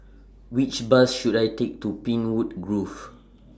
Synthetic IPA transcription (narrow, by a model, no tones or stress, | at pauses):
wit͡ʃbasʃudajtek̚tupĩnwutɡɹuf